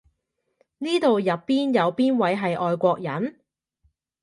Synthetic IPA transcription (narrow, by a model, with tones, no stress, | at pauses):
niː˥t̪o˨wjɐ˨pːiː˥njɐ˨˧wpiː˥nwɐ˨˥jɦɐ˨jʔɔː˨˧jkʷɔː˧k̚jɐ˨˥n